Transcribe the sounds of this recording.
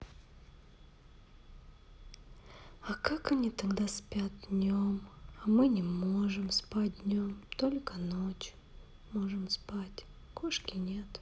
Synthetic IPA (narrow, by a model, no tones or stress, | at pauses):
ɐkakɐnʲit̪ɐɡd̪aspʲat̪̚dnʲomɐmɨnʲɪmo̞ʐɨmspat̚ʲdʲnʲomt̪o̞lʲkənot͡ɕʊ̥ | moʐɨmspatʲ | koʂkʲɪnʲe̞t̪